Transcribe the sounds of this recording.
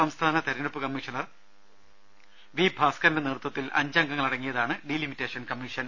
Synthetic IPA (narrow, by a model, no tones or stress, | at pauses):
ɐmst̪ʰaːnɐt̪eɾinɐpːɨkɐmːiʂɐnɐr | ʋibʱaːskɐndeneːrut̪wɐt̪ːilʔɐ̰ɲd͡ʑɐŋɡɐŋːɐɭɐɽɐŋːijɐðaːɳɨɖilimitːeːʂɐnkɐmːiʂɐn